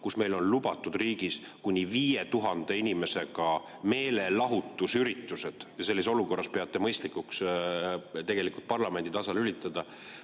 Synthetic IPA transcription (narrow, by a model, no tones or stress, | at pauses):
kusme̞jlo̞nlubɑt̪ːˑud̪̥riːɡ̥iskunʲiviːjet̪uɦɑnd̪̥e̞inʲime̞se̞ɡɑ | me̞ːle̞lɑɦut̪ːˑusyɾit̪ːˑuse̞d̪̥jɑse̞lːiso̞luko̞rːɑspeɑt̪ːˑe̞mɤjst̪likuks | t̪e̞ɡ̥e̞likult̪̚pɑrlɑme̞nd̪it̪ɑsɑlylʲit̪ːˑɑd̪̥ɑ